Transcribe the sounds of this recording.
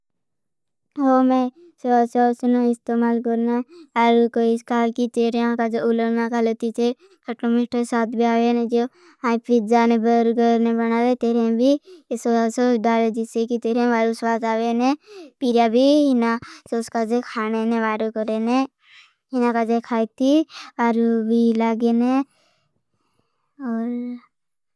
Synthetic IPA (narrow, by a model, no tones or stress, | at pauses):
ɦoːmẽ | sososnoɪst̪eːmaːlkəɾnaaːɾokoɪskaːlkit̪eːɾeãkad͡ʒoʊləɾnakalət̪it͡ʃe | kʰəʈomiʈəsaːt̪bʱiaːʋenẽd͡ʒo | ãpid͡ʒaːnẽbəɾɡəɾnebənaːʋet̪eːɾẽbʱisosoɖaːled͡ʒɪsekit̪eːɾẽʋaːɾusʋaːzaːʋenepiɾjabʱiɦɪnasoʊskad͡ʒekʰaːneneʋaːɾokəɾene | ɦɪnãkad͡ʒekʰaːit̪iʋaːɾubʱilaːɡeːne | ɔːɾ